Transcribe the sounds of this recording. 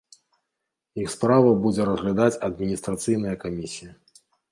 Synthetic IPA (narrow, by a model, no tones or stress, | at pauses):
jixspɾavɐbud͡zʲɛɾɐzɣlʲad̪at͡sʲɐd̪̚mʲinʲist̪ɾat̪sɨjnɐjɐkamʲisʲijɐ